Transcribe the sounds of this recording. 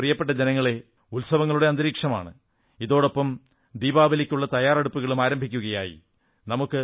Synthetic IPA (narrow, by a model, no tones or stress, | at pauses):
rijɐpːe̞ʈːɐd͡ʑenɐŋːɐɭe̞ | ulsɐʋɐŋːɐɭuɽe̞ɐnd̪ɐɾiːkʂɐma̰ːɳɨ | iðo̞ːɽopːɐm | d̪iːbaːbɐlikʲːuɭːɐt̪ɐjaːrɐɽupːuɣɐɭumaːɾɐmbʱikʲːuɣɐjaːjḭ | nɐmukːɨ